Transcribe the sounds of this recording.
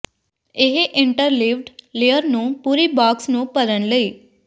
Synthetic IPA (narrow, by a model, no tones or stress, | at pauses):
ɪɦʔɪ̃ɳʈəɾliːʋɖliːəɾnũːpuːɾiːbaːksnũːpəɾənləiː